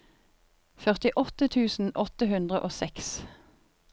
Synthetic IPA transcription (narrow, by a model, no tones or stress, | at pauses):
fœʁt̪ɪʔɔt̪ət̪ʰʉːsn̩ʔɔt̪əhʉnd̪ʁəʔoːsɛks